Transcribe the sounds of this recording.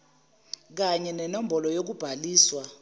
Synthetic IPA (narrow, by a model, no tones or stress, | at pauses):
k̬aɲɛnɛnombʱɔlɔjok̬ub̥ʱaliːswa